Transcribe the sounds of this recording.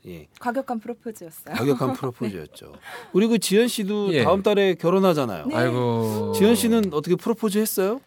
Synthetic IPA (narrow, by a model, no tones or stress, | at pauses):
je̞̰kwaɡjʌkʰanpʰɯɾopʰod͡ʑijʌs͈ʌjwaɡjʌkʰanpʰɯɾopʰod͡ʑḭjʌ̰t̚t͡ɕ͈o̰kɯɾiɡot͡ɕijʌnɕ͈idojaɯmt̬͈aɾe̞kjʌɾonɦad͡ʑana̰jo̰aɭɡot͡ɕijʌnɕ͈ʰinɯnʌt͈ʌkʰepʰɯɾopʰod͡ʑiɦe̞s͈ʌjo